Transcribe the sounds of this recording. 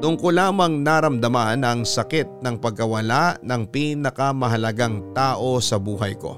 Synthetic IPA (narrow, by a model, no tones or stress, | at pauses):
t̪ʊŋkolaːmɐŋnaɾɐmd̪ɐmanɐŋsɐkɪt̪̚nɐŋpɐɡ̚kɐwɐlaʔnɐŋpiːnɐkɐmɐɦɐlɐɡaŋt̪aːʔo̞sɐbuːɦɐjko̞̰